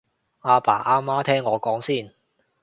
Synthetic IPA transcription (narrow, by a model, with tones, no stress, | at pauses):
aː˧pa̰ː˨˩ʔaː˧maː˥t̪ʰɛː˥ŋːɔː˨˧kɔː˨˥ŋsiː˥˩n